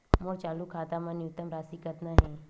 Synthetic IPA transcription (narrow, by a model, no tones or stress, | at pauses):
moɾt͡ʃaːlukʰaːt̪amãnijʊt̪ːəmɾaːsikət̪naɦɛ̃ː